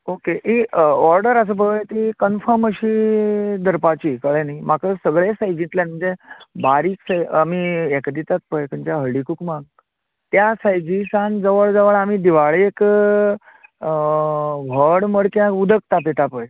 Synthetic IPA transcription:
okeʔiɔɾɖəɾəs̬əbəɡəjt̪ikənfəməɕid̪ʱəɾpat͡ɕiːkəɭenaimakʰəsəɡɭesad͡ʑiɳʈlãnm̤əɳd͡zebaɾiːksajamiekd̪it̪at̪̚pəjkəɲt͡ɕjaɦəɭikukmãɡ | t̪jasajd͡ʑisãnd͡zəʋəɭd͡zəʋəɭam̤id̪iʋaɭeek | ʋʱəɽməɽkjãud̪ʱək̚t̪ap̬it̪apəj

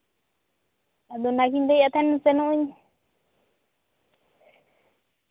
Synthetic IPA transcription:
ad̪onakind̪ejat̪anusenũɲ

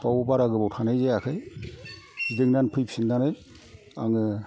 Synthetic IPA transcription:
pawɯbaɾaɡɯbawtʰanajzejakʰɯj | zidɯŋnanpʰɯjpʰsindanɯj | aŋɯ

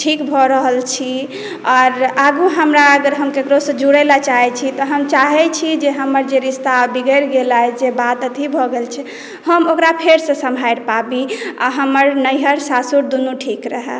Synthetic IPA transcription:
ʈʰikbʱɔɾəɦəlt͡ʃʰi | ɔːɾaɡuɦəmɾaəɡəɾɦəmkekɾosə̃d͡ʒuɽəlat͡ʃaɦɛt͡ʃʰit̪ɔɦəmt͡ʃaɦɛt͡ʃʰid͡ʒeɦəməɾd͡ʒeɾist̪abiɡəɪɾɡelajd͡ʒebat̪ət̪ʰibʱɔɡelt͡ʃʰɛ | həmokɾapʰeɾsə̃səmbʱajɾpabia̰ɦəməɾnəjɦəɾsasuɾd̪unuʈʰikɾəɦɛ̰

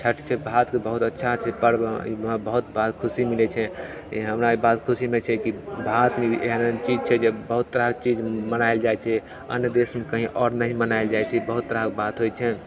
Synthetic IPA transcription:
t͡ʃʰəʈt͡ʃʰɛbʱat̪kebəɦut̪ətːʃʰat͡ʃʰɛpəɾbḭabəɦut̪bat̪kʰusimilɛt͡ʃʰɛ | iɦəmɾaibat̪kʰusimet͡ʃʰɛkibʱat̪meeɦənt͡ʃid͡ʒt͡ʃʰɛd͡ʒebəɦut̪ːɾəɦək̚t͡ʃid͡ʒmənaɪld͡ʒajt͡ʃʰɛ | ə̰njəd̪esmekəɦĩʔɔɾnəɦĩmənaɪld͡ʒajt͡ʃʰɛbəɦut̪ːəɾəɦək̚bat̪ɦojt͡ʃʰɛ

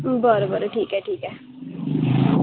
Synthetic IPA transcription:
bɔɾobəɾoʈʰiːkɛʈiːkɛ

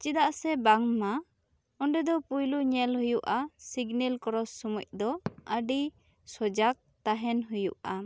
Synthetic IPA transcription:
t͡ʃid̪aʔsɛbaŋma | ɔɳɖɛd̪ɔpujluɲɛlɦujuʔasiɡnɛlkɔɾɔsːumuc̚d̪ɔəɖi | sɔd͡ʒak̚t̪aɦɛnɦujṵʔa

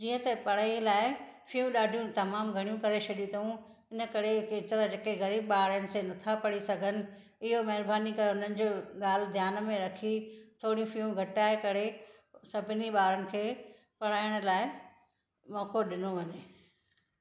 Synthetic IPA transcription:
d͡ʑiːə̃t̪ɐpɐɽ̤aːilaːɪfijũɗaːɖʱijũt̪ɐmaːmɡʱɐɽ̃jũkɐɾet͡ɕʰɐɗijũt̪ʰũ | ɪnə̆kɐɾeket̪ɾad͡ʑekeɣɐɾiːbɓaːɾjənɪ̆senɐt̪ʰapɐɽisɐɡʱənɪ̆ | ɪɦomɐɦɪɾbaːnikɐɾeʊn̤ənɪ̆d͡ʑoːɠaːl̤d̪ʱjaːnmẽɾɐkʰit̪ʰoːɽ̤ijũfiũɡʱɐʈaːekɐɽe | sɐbʱɪniɓaːɾənɪ̆kʰeː | pɐɽ̤aːɪjɽ̃ʊ̆laːɪ | mɔːkoɗɪnoʋɐɲe

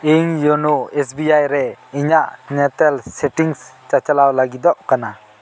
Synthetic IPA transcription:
iŋjɔnuɛs̬biajɾɛiɲaʔnɛt̪ɛlsɛʈiŋst͡ʃat͡ʃalawlaɡid̪ɔʔkana

